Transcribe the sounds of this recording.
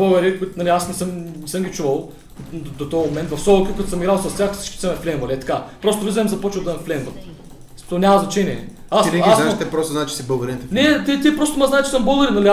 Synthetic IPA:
boɡɐɾikʊit̪nɐlʲiasnɛsɤmnɛsɤmɡʲit͡ʃuvəlˠ | d̪ot̪ɔmomɛ̃nt̪vɐfsɔlˠkʲikɐt̪o̥səmiɡɾalˠsɐst̪ʲjaxsit͡ʃkʲi̥sɛmɛflɛnvɐliɛt̪ɐ̥kapɾɔst̪ovlizɐɛmzɐpɔt͡ʃəlˠd̪ɐmɛflɛnvɐt̪ | t̪ɔnʲamɐznɐt͡ʃɛniɛ | asnɛanaʃt̪ɛpɾɔst̪oznat͡ʃɛ̥sibəɡəɾint̪ɛnɛt̪ʲit̪iɛpɾost̪omaznaɛtt͡ʃɛ̥səmbəlˠɡɐɾinɐli

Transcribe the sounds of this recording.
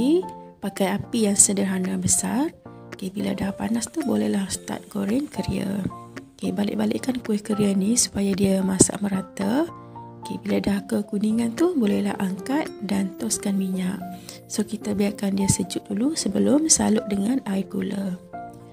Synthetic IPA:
ipakajapijaŋsədərɦanabəsar | kebila̰dahpanast̪ubolɛhlahst̪a̰t̪̚ɡoɾɛnkəɾia̰kebalɪ̰ʔbalɪ̰ʔkankuɪhkəɾianisu̥pajadiamasa̰ʔməɾat̪ə | kə̰biladahkəkuniŋant̪uhbolɛhla̰haŋkat̪̚dant̪ɔskanmiɲaʔ | sokit̪abiarkandiasəd͡ʒʊt̪̚dulusəbəlʊmsa̰lʊʔ̚dəŋanaiɡulə

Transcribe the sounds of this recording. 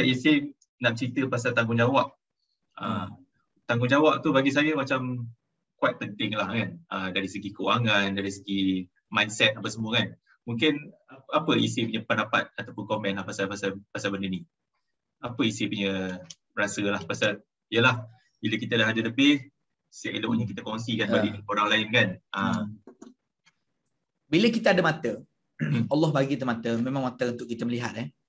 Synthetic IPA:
aʔisi | naʔ̚t͡ʃəɾit̪əpasalt̪aŋɡʊŋd͡ʒawaʔ̚ | ə | t̪aŋɡʊŋd͡ʒawaʔ̚t̪ubaɡis̬ajəmat͡ʃam | kwat̪̚pənt̪ɪŋlahkanədaɾisəɡikəuaŋandaɾis̬əɡi | majnsɛt̪̚apasəmuəkan | muŋkɪnapəisipuɲəpənapa̰t̪̚at̪awpʊnkɔmɛnlahpasalpasalpasalbəndəni | apəisipuɲə | ɾasəlahpasal | ijəlah | biləkit̪ədahadələbɪh | siaʔiləuɲəkit̪əkɔŋs̬ikanbadinikoɾaŋlaɪnkanʔəm | biləkit̪əadəmat̪ə | ɑlːɔhbaɡiat̪əmat̪əmemaŋmat̪əunt̪ʊʔkit̪əməliɦat̪̚ɛ

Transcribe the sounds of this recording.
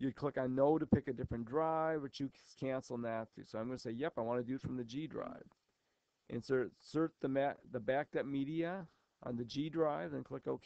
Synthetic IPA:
jɨd̚kʰl̥ɪkaɪnoʊɾɨpʰɪkɨdɪfɹɨ̃ndɹaɪvwɨt͡ʃɨkʰæ̃nsl̩̃ˠnðɨtʰʉ̰soʊãɪ̃mɡʌnəseɪjɛpaɪwɑ̃ñɨdʉɨtfɹʌ̃mðɨd͡ʒidɹa̰ɪv̥ | ʔɨ̰̃nsɜ˞sɜ˞t͡ʃ̚ðɨmæðɨbæk̚tʌp̚miɾiɨ | ʔə̰̃nðɨd͡ʒidɹaɪvɨ̃nkʰl̥ɪkoʊkʰ

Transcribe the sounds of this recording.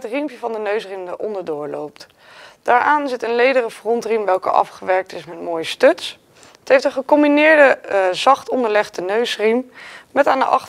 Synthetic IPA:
ətrimpjəvɑndənøɥsrimdəʔɔndəɹdʊːɹlo̰wp̚t | d̥aːɹʔaːnzɪtənlejdərəfrɔntrimʋɛlˠkə̰ʔɑ̰fχəʋɛɹk̚tɪsmɛt̚moːjəstøts | ətɦejftənχəkɔmbinɪːɹdəzɑχtɔndəɹlɛχdənøɥsrimmɛtaːndə̰ʔɑχt

